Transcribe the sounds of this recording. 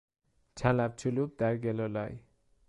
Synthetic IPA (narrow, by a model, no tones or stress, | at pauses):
t͡sʰãlap̚t͡sʰulup̚d̪aɾɡelɔlaj